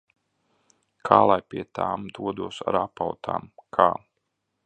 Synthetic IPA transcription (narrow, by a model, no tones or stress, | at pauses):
kʰaːlˠajpʲiɛt̪aːmd̪uɔd̪uɔsa̰ɾapawt̪ʰa̰ːmkʰaː